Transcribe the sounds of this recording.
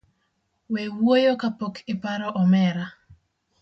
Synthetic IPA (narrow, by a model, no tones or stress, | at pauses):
wewojokapokʰɪpaɾɔʔɔmɛɾa